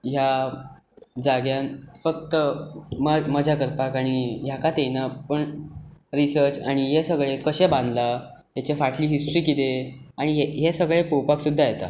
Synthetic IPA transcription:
ɦja | d͡zaɡjãnfək̚t̪əməməd͡ʑʱakəɾpakaɽ̃ijakat̪ejnapəɳɾisəɾt͡saɽ̃iɦesəɡɭekəɕebãnd̪la | ɦat͡ɕefaʈʰliːɦisʈɾiːkit̪eaɽ̃iɦeɦesəɡɭepowpaksud̪ʱːajet̪a̰

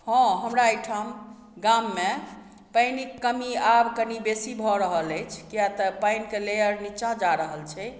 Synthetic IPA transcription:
hɔ̃ɦəmɾaəjʈʰam | ɡamːe | pəjnikːəmiabkənibesibʱɔɾəɦələjt͡ʃʰkijat̪əpajnkelejəɾnit͡ʃãd͡ʒaɾəɦəlt͡ʃʰɛ

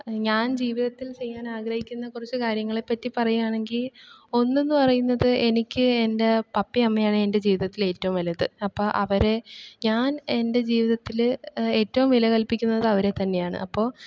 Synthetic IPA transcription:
ɲaːnd͡ʑiːʋiðɐt̪ːilt͡ɕe̞jːaːnaːɡrɐhikʲːunːɐkurit͡ɕːɨkaːɾjɐŋːɐɭe̞pːɐtːipɐrɐjujaːɳe̞ŋɡilo̞nːe̞nːɨpɐrɐjunːɐðɨʔe̞nikʲːɨe̞nde̞pɐpːiɐmːɐjaːɳɨe̞nde̞d͡ʑiːʋiðɐt̪ːile̞ːtːɐʋumʋɐlɐðɨɐpːo̞ːʔɐʋɐɾe̞ɲaːne̞nde̞d͡ʑiːʋiðɐt̪ːile̞ːtːɐʋumʋilɐkɐlpikʲːunːɐðɨɐʋɐɾe̞t̪ɐnːe̞jaːɳɨ̰ʔɐpːo̞ː

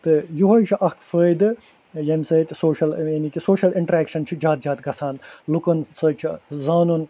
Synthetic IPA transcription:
t̪ɨjuɦɐjt͡ʃʰiʔɐkʰfəːjd̪ɨ | jɐmʲsɐːt̪ʲsoːʃɐljɐnikʲisoːʃɐliɳʈɾeːkʃɐnt͡ʃʰid͡ʒaːt̪̚d͡ʒaːt̪̚ɡɐsaːnlukɐnsɐt͡ʃʰizaːnun

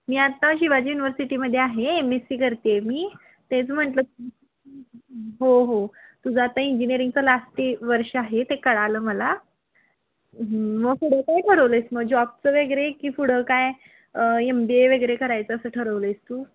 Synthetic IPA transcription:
miːat̪aɕiʋad͡ʑiːjuniʋəɾsiʈiməd̪ʱːjeaɦeemesiːkəɾt̪emiː | t̪ẽt͡səm̤əɳʈlə | ɦoɦot̪ud͡zʱat̪aiɲd͡ʑiniəɾiŋɡ̚t͡səlasʈiːʋəɾʂəaɦet̪ekəɽaləːməla | ɦməɡfuɽ̤əkajʈʰəɾəʋləjsməɡ̚d͡ʑɔb̚t͡səʋeɡəɾekiːfuɽ̤əkaj | əembieʋəɡɾekəɾajt͡səəsəːʈʰəɾəʋləjst̪uː

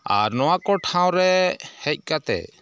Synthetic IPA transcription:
a̰ɾnɔwakɔʈʰãw̃ɾɛhɛc̚ˀkat̪ɛ̰

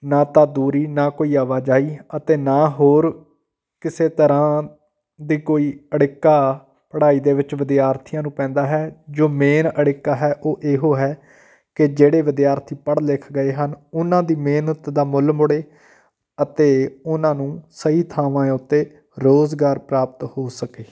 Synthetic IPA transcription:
naːt̪aːd̪uːɾiːnaːkoːiːaːʋaːd͡ʒaːiːət̪eːnaːɦoːɾ | kɪseːt̪əɾãː | d̪iːkoːiːəɽɪkːaː | pəɽaːiːd̪eːʋɪt͡ʃʋɪd̪ijaːɾt̪ʰijãːnũːpɛ̃ːnd̪aːɦɛːd͡ʒoːmeːnəɽɪkːaːɦɛːʔoːʔeːɦoːɦɛː | kɪd͡ʒeːɽeːʋɪd̪jaːɾt̪ʰiːpəɽlɪkʰɡəeːɦənʊnãːd̪iːmeːnət̪d̪aːmʊlmʊɽeː | ət̪eːʊnãːnũːsəɦiːt̪ʰaːʋãːeʊt̪ːeː | ɾoːzɡaːɾpɾaːpət̪hoːsəkeː

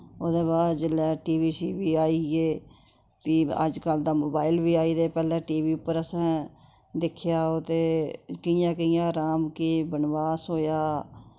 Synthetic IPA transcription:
oːd̪eːbaːd̪d͡ʒɪlːɛːʈiːʋiːʃiːbiːaːiːɡeː | piːə̰d͡ʒkəld̪aːmoːbaːɪlbiːaːiːd̪eːpɛːlɛ̃ːʈiːʋiːʊpːəɾəsãː | d̪ɪkʰjaːoːt̪eːkəjãːkəɪ̃jãːɾaːmkiːbənʋaːsoːjaː

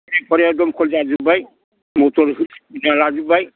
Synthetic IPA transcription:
nɛpɔɾadɔmkʰɔld͡ʒad͡ʒubaj | mɔtɔɾɦnalad͡ʒubaj

